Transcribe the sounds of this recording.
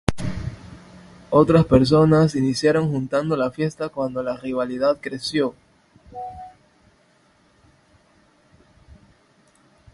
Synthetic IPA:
o̞t̪ɾaspeɾs̬o̞nasinisjaɾo̞ŋxunt̪and̪o̞lafje̞st̪akwand̪o̞lariβ̞aliðaðkɾesjo̞

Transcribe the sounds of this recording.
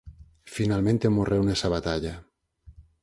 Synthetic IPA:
finalmẽnt̪emorʔewnesaβat̪aʎa

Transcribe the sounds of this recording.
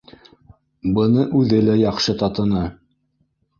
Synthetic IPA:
bɤ̆nɤʔʉðɘlæjɑqʃɤt̪ɑt̪ɤ̆nɑ

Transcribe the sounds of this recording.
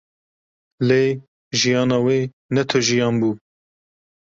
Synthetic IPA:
leː | ʒijɑːnɑːweː | nɛt̪ʰoʒijɑːnbuː

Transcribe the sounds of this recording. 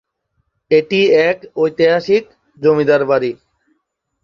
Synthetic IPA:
eʈiːɛːkojt̪eɦaːʃik̚ | d͡ʒomid̪aɾbaːɾiː

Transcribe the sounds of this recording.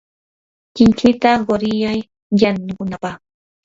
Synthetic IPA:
kɪŋkɪt̪aɢoɾɪjaj | ʎanʊkʊnapɑχ

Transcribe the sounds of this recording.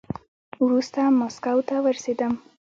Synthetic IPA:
wɾust̪amɔskawt̪awəɾsed̪əm

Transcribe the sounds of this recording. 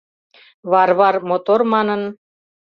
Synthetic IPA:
βɑrβɑrmot̪ormɑnən

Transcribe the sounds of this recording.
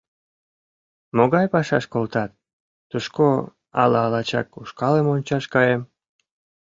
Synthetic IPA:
moɣɑjpɑʃɑʃkolt̪ɑt̪̚ː | uʃko | ɑ̰lɑːlɑt͡ɕɑ̰kuʃkɑlemonʲt͡ɕɑʃkɑjem

